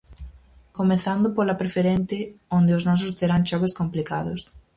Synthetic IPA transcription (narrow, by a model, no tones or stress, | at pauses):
komeθand̪ʊpolapɾefeɾent̪ɪond̪ɪoznɔs̬ʊst̪eɾaŋʃɔɣoskomplikaðʊs